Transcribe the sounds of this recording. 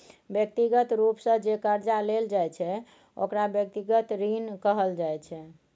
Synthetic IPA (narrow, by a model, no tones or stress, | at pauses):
bjək̚t̪iɡət̪ɾupsə̃d͡ʒekəɾd͡ʒaleld͡ʒajt͡ʃʰɛ | o̰kɾabjək̚t̪iɡət̪ɾinkəɦəld͡ʒajt͡ʃʰɛ